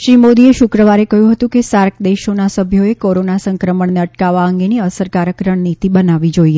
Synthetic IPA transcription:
ʃɾimod̪ieʃukɾəʋaɾekəɦjũɦət̪ũkesaɾk̚d̪eʃonasəbʱjoekoɾonasə̃ŋkɾəməɳneəʈkaʋaəŋɡeniəsəɾkaɾəkɾəɳnit̪ibənaʋid͡ʒoie

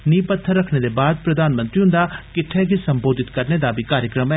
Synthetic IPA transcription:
nĩːpət̪ʰːəɾːəkʰneːd̪eːbaːd̪̚pɾəd̪aːnmə̃nt̪ɾiːɦʊ̃nd̪aːkɪʈʰːɛːkisəmboːd̪ɪt̪kəɾneːd̪aːbʱiːkaːɾjəkɾəmɛ

